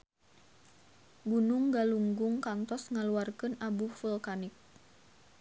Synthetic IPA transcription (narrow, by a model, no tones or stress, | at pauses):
ɡunʊŋɡaluŋɡʊŋkant̪ɔsŋaluarkɨnabufulkanik̚